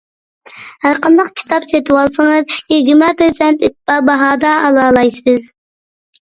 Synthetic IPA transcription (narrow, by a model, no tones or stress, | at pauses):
hæɾqənd̪ɑqkʲʰi̥t̪ʰɑpset̪ʰɨwɑlˠsəŋəzjeɡʲɾmɛpeɾsɛnt̪it̪̚pɑbɑɦɑːd̪ɑːlˠɑːlˠɑjsɨz